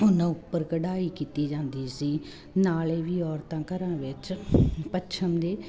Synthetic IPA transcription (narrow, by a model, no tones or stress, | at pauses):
ʊnãːʊpːəɾɡəɖaːiːkiːt̪iːd͡ʒãːnd̪iːsiː | naːleːʋiːɔːɾt̪ãːkəɾãːʋɪt͡ʃpətːʃʰəmd̪eː